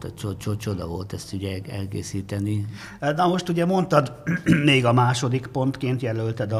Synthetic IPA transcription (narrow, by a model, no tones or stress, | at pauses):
t̪ɛt͡ʃot͡ʃot͡ʃod̪ɒvo̞lt̪ɛst̪uɟɛɛlkḛːsiːt̪ɛni | nɒmo̞ʃt̪uɟɛmo̞nt̪ɒd̪meːɡɒmaːʃo̞d̪ikpo̞nt̪keːnt̪jɛlølt̪ɛd̪ɒ